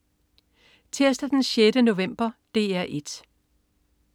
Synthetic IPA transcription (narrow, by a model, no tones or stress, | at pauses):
t͡sʰeɐsd̥æd̥enɕjed̥əno̝ʋem̰b̥ɐd̥e̝̰ːæɐ̰ʔed̥